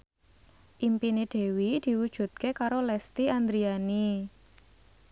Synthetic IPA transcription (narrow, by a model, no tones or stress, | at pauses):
ʔimpineɖ̪̥e̤wid̪̥i̤wud̥ʒ̥ṳt̪̚kekaɾolɛst̪iand̪ɾiani